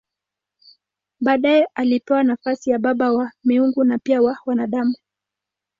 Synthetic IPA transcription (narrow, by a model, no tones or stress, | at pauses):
ɓaːɗajɛʔalipɛwanafasijaɓaɓawamiuŋɡunapiawawanaɗamu